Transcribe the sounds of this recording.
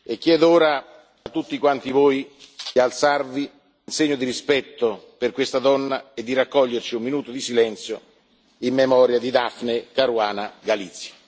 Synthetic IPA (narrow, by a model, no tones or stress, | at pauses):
ekːjɛːd̪ooːɾa | at̪ːut̪ːikwant̪ivoːjd̪ialt̪sarviː | nseɲːod̪iɾispɛt̪ːoperkwest̪ad̪ɔnːaed̪ːiɾakːɔʎːert͡ʃiumːinuːt̪od̪isilɛnt̪sjo | imːemɔːɾjad̪id̪afnekaɾuaːnaɡalit̪sːjḁ